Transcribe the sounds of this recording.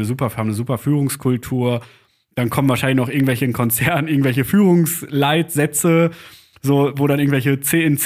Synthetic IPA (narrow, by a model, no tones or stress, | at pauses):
nəzuːpɐhamnəzuːpɐfyːʁ̞ʊŋskʰʊltʰuːɐ | d̥ankʰɔmənvaɐʃaɪlɪçnɔχʔɪɐɡŋ̩tvɛlçənkʰɔnt͡sɛɐnnʔɪɐɡŋ̩tv̥ɛlçəfyːʁʊŋslaɪtz̥ɛt͡sə | zoːvoːɾanʔɪɐɡ̩ŋ̩tvɛlçət͡seːɪnt͡s